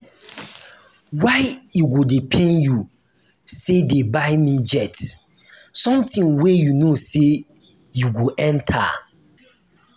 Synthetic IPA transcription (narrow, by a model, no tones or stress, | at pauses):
waɪiɡodepʰẽnju | sedebaɪmid͡ʒɛt | sɔ̃mtĩŋwejunose | juɡoʔɛ̃ntʰa̰